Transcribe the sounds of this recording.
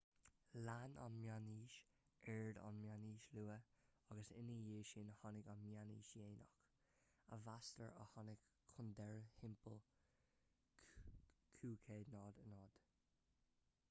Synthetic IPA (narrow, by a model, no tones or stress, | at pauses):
lana̰nmjaniːʃ | ɛɹd̪a̰nmjaniːʃluːəɑɡəsɪnijeːʃinəhɔnɪɡanmjanḭːʃjeːnɔ̰x | əvastəɹə̰hɑnɪɡʰʊnd̪ɛɹhɪmpəl | kʰuːkʰeːd̪nɔːd̪ənɔːd̪̥